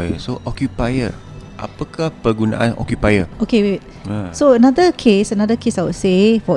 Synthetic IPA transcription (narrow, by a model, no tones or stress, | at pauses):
jəsoʔɔkjupajə̰ | ʔa̰pəkahpəɡuna̰ʔanɔ̰kjupajəokewit | soənadəkʰesənadəkʰesawsefɔ